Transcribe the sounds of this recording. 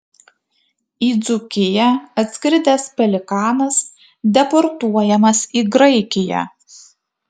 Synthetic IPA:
iːd̪zʊkʲɪjɛɐt̪ʲsʲkɾʲɪd̪ʲɛspʲɛlʲɪkɑːnɐs | d̪ʲɛpɔɾt̪uɔjɛmɐsiːɡɾɐɪkʲɪjæ̰

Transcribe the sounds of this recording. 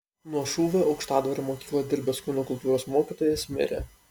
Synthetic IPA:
nuɔʃuːʋʲeːʔɒʊkʃt̪ɑːd̪ʋɐɾʲomoːkʲiːklˠɐd̪ʲɪɾʲbʲoːskʲuːnokʊlˠt̪uːɾoːsmoːkʲit̪oːjeːsʲmʲɪ̰ɾʲḛ

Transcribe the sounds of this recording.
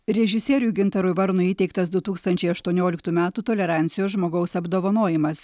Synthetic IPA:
ɾʲɛʒʲɪsʲɛːɾʲjuːɡʲɪnt̪ɐɾʊɪʋɐɾnʊiːt̪ʲɛɪkt̪ɐsd̪ʊt̪uːkst̪ɐnʲt͡ʃʲɛɪɐʃt̪uɔnʲoːlʲɪk̚t̪uːmʲæːt̪uːt̪oːlʲɛɾɑˑnʲt̪sʲɪjoːsʒmoːɡɒʊsɐbd̪oːʋɐnoːjɪmɐs

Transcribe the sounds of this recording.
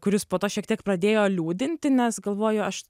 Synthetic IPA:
kʊɾʲɪspoːt̪oːʃʲiɛkt̪ʲiɛkpɾɐd̪ʲeːjoːlʲuːd̪ʲɪnʲt̪ʲɪnʲɛsɡɐlˠʋoːjoːɐʃ

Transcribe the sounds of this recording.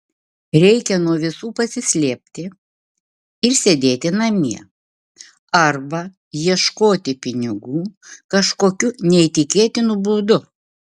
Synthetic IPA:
ɾʲɛɪkʲɛnuɔʋʲɪsuːpɐsʲɪsʲlʲeɛːpʲt̪ʲɪ | ɪɾsʲed̪ʲeːt̪ʲɪnɐmʲiɛ | ɐɾbɐ | jiɛʃkoːt̪ʲɪpʲɪnʲɪɡuːkɐʃkoːkʲʊnʲɛit̪ʲɪkʲeːt̪ʲɪnuːbuːd̪ʊ

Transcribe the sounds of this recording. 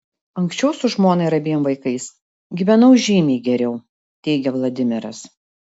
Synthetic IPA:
ɐŋksʲt͡ʃʲɛʊsʊʒmoːnɐɪɾɐbʲiːjoːmʋɐɪkɐɪs | ɡʲiːʋʲɛnɐʊʒʲiːmʲɛːɡʲɛɾʲɛʊ | t̪ʲɛɪɡʲɛʋlˠɐd̪ʲɪmʲɪɾɐs

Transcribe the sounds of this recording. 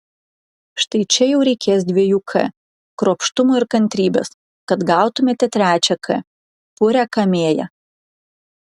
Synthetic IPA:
ʃt̪ɐɪt͡ʃʲɛjɛʊɾʲɛɪkʲeːs̬d̪ʲʋʲiɛjuːkʰɛ̰ | kɾoːpʃt̪ʊmoɪɾkɐnʲt̪ʲɾʲiːbʲɛ̰s | kɐt̪ɡɑˑʊt̪ʊmʲeːt̪ʲɛt̪ʲɾʲæːt͡ʃʲɛkʰɛ̰ | pʊɾʲækɐmʲeːjɛ̰

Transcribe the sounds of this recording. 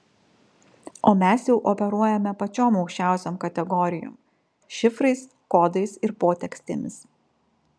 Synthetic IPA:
oːmʲæsjɛʊʔɔpʲɛɾuɔjɛmʲɛpɐt͡ʃʲoːmɒʊkʃʲt͡ʃʲæˑʊsʲoːmkɐt̪ʲɛɡɔɾʲɪjo̰ːm | ʃʲɪfɾɐɪs | koːd̪ɐɪsɪɾpoːt̪ʲɛksʲt̪ʲḛmʲɪs

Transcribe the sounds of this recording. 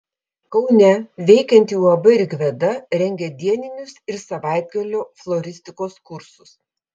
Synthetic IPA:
kɒʊnʲɛʋʲɛɪkʲɛnʲt̪ʲjuːɐbɐɪɾʲɡʲʋʲɛd̪ɐɾʲɛŋʲɡʲɛd̪ʲiɛnʲɪnʲʊsɪɾsɐʋɑˑɪd̪ʲɡɐlʲoːflˠoːɾʲɪsʲt̪ʲɪkoːskʊɾsʊs

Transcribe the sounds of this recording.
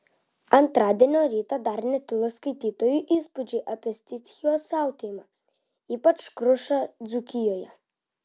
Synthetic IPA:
ant̪ɾad̪ɛnɔɾit̪ad̪aɾnɛt̪ilˠɔskit̪it̪ɔjuʔispud͡ʒiʔapɛst̪it̪xiɔsawt̪ima | ipakʃkɾuʃad̪zukijɔja

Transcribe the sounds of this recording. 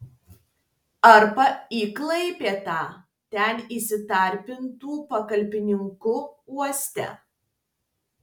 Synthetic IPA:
ɐɾpɐiːklˠɐɪpʲeːt̪ɑː | t̪ʲɛniːˑsʲɪt̪ɐɾʲpʲɪnt̪uːpɐkɐlʲpʲɪnʲɪŋkʊuɔsʲt̪ʲɛ̰

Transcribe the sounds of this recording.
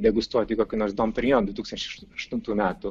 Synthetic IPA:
d̪ʲɛɡʊst̪uɔt̪ʲikoːkʲunoːɾsd̪ompʲɾʲjoːnd̪ʋʊɪt̪uːkst̪ɐnt͡ʃʲɛɪʃɐʃt̪ʊnt̪uːmʲæːt̪ʊ

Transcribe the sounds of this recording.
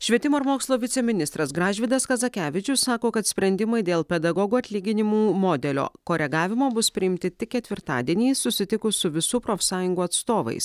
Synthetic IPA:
ʃʲʋʲɛt̪ʲɪmoːɪɾmoːkslˠoːʋʲɪt̪sʲɛmʲɪnʲɪst̪ɾɐsɡɾɑːʒʲʋʲɪd̪ɐskɐzɐkʲæːʋʲɪt͡ʃʲʊssɑːkoːkɐt̪sʲpʲɾʲɛnʲd̪ʲɪmɐɪd̪ʲeːlˠpʲɛd̪ɐɡɔɡuːɐt̪ʲlʲiːɡʲɪnʲɪmuːmoːd̪ʲɛlʲo̰ːkoːɾʲɛɡɑːʋʲɪmoːbʊspʲɾʲɪɪmʲt̪ʲɪt̪ʲɪk̚ːʲɛt̪ʲʋʲɪɾt̪ɑ̰ːd̪ʲiɛnʲiːsʊsʲɪt̪ʲɪkʊsʊʋʲɪsuːpɾoːfʲsɑːjʊŋɡuːɐt̪st̪oːʋɐ̰ɪs

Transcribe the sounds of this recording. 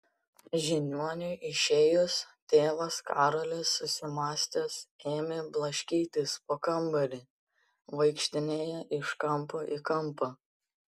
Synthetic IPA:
ʒʲɪnʲuɔnʲʊjʔɪʃʲeːjʊst̪ʲeːʋɐskɑːɾolʲesːʊsʲɪmɑːsʲt̪ʲɛseːmʲeːblˠɐʃʲkʲiːt̪ʲɪspoːkɐmbɐɾʲɪ | ʋɐɪkʃʲt̪ʲɪnʲeːjɛʔɪʃkɐmpoːʔɪkɐmˑpɐ

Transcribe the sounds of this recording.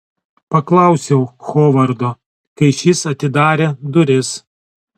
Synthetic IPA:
pɐklˠɐˑʊsʲɛʊxoːʋɐɾd̪oː | kɐɪʃʲɪsɐt̪ʲɪd̪ɑːɾʲeːd̪ʊɾʲɪs

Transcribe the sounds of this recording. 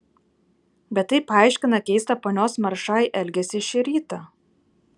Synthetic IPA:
bʲɛt̪ːɐɪpɑˑɪʃʲkʲɪnɐkʲɛɪst̪ɐpoːnʲoːsmɐɾʃɑːjʔɛlʲɡʲɛsʲɪʃʲiɾʲiːt̪ɐ

